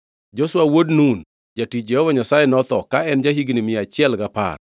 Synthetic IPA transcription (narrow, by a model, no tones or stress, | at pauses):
d͡ʒoswawodnun | d͡ʒatijɛhɔvaɲasajɛnɔt̪ɔkaɛnd͡ʒaɦiɡnimɪat͡ʃɪɛlɡapa̰r